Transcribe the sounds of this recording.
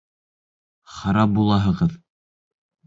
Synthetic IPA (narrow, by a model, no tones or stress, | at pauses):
χɑɾɑp̚bulˠɑɦɤ̆ʁɤð